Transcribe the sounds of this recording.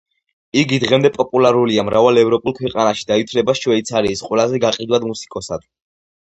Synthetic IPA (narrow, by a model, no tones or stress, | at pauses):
iɡid̪ʁɛmd̪ɛpʼɔpʼulˠaɾuliamɾavalɛvɾɔpʼulˠkʰwɛqʼanaʃi̥d̪ait̪ʰlɛbaʃwɛit̪sʰaɾiːsqʼwɛlazɛɡaqʼid̪wad̪musi̥kʼɔsad̪̥